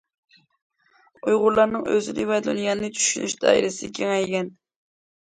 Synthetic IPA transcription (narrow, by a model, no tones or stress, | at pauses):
ujʁʊɾlˠɑɾnɨŋøzɨnɨ̰wɛd̪lɨ̰njɑnɨnɨt͡ʃʰy̥ʃyny̰ʃd̪ɑ̰ḭɾɨsɪkʲʰeŋɛjɡʲɛn